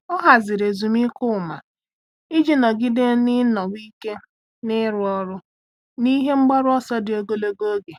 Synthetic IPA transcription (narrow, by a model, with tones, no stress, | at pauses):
ɔ˦ɦa˨zɪ˨ɾe˨zu˨mi˦kʊ˦˨ma̰˨ | i˦d͡ʒi˨nɔ˨ɡi˦de˦nɪ˦nɔ˨wʷi˦ke˦ | nɪ˦ɾʊ˨ɔ˦ɾʊ˦ | ni˦ɦe˦ŋ͡m̩˦ɡ͡ba˦ɾʊ˦ɔ˦sɔ˦dɪ˨o˦ɡo˦lo˦ɡo˦o˦ɡe˨